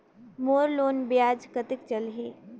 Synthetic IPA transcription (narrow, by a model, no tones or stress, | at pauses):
moːɾloːnbjaːd͡ʒkət̪ɪkt͡ʃɐlɦiː